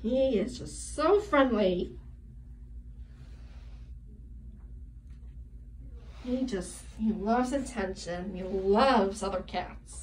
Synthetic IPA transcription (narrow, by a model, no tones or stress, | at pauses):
hiɪzd͡ʒʌstsoʊfɹɛ̃ndˡli | hid͡ʒʌshilʌvzɨtʰɛ̃nʃɨ̃nilʌvzʌðə˞kʰæ̰ts